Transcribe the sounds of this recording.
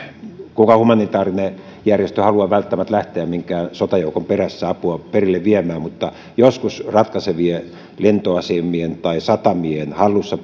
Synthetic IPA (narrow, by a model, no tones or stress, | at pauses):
kukɑhumɑnit̪ɑːrine | jærjest̪øhɑluɑʋælt̪ːæmæt̪læht̪eæmmiŋkæːsot̪ɑjoukomperæsːæɑpuɑperilːeʋʋiemæːmmut̪ːɑ | joskusrɑt̪kɑseʋie | lent̪oɑsemːˑient̪ɑisɑt̪ɑmiehenhɑlːusːɑ